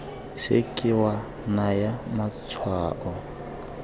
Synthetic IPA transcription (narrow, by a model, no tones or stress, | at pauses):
sḛkʼɪwa | najamat͡sʰwaːʔɔ